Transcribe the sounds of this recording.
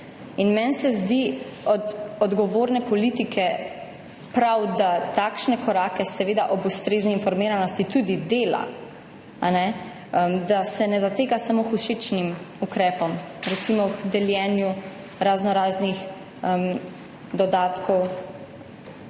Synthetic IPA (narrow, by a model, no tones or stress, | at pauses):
inmɛnsɛzd̪iɔd̪ɔd̪ɡɔʋoːɾnɛpɔlit̪ikʰɛ | pɾawd̪at̪akʃnɛkɔɾaːkɛsɛʋeːd̪aʔɔbust̪ɾeːzniːnfɔɾmiːɾanɔst̪it̪uːd̪id̪eːla̰ | anɛ | əmd̪asɛnɛzat̪eːɡasamoxuʃet͡ʃnimukɾɛːpɔmɾɛt̪simɔkd̪ɛljɛnju | ɾaznɔɾaːznix | əm | d̪ɔd̪aːt̪kʰɔw